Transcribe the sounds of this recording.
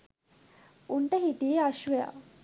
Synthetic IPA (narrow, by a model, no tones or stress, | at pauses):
uɳʈəɦiʈieaʃʋeja̰